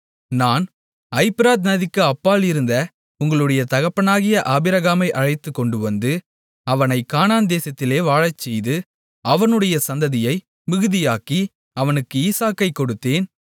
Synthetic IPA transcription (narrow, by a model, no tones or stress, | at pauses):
naːn | ɐɪpɪɾaːt̪nɐðɪkːɯɐpːaːlɪɾɯnd̪ɐ | ʊŋɡɐɭɯɽɐjɐt̪ɐɣɐpːɐnaːɣɪjɐʔaːbɪɾɐɣaːmɐɪʔɐɻɐɪt̪ːɯkːɔɳɖɯʋɐnd̪ɯ | ɐʋɐnɐɪkaːnaːnd̪eːsɐt̪ːɪleːʋaːɻɐt͡ʃːɛjðɯ | ɐʋɐnɯɽɐjɐsɐnd̪ɐðɪjɐɪ | mɪɣɯðɪjaːki | ɐʋɐnɯkːɯiːsaːkɐɪkːɔɽɯt̪ːeːn